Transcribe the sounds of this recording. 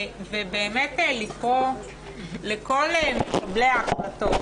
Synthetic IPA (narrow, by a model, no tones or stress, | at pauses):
vebeːmetelikʁo | leko̞lbleaχlato